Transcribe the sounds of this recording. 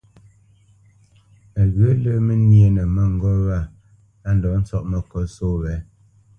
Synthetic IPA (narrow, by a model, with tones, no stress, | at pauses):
a˨ɣə˨˦lə˦mə˦nje˨nə˨mə˦ŋ̩˨ɡɔ˦ɣa˦˨ | a˦n̩˨dɔ˨˦n̩˦t͡sɔ˦ʔmə˨kɔ˦so˦wɛ˨˦